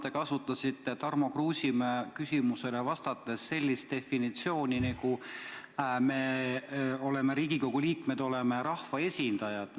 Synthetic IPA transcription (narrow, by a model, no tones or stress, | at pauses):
t̪e̞kɑsut̪ːˑɑsit̪ːˑet̪ɑrmo̞kruːsʲimækysimuse̞levɑst̪ɑt̪ːˑesːe̞lʲːist̪e̞finit̪sio̞ːniniku | meː | o̞le̞me̞ɾiːɡiko̞ɡ̥uliːkme̞d̪̥o̞le̞meɾɑhvɑe̞sʲind̪̥ɑjɑd̪̥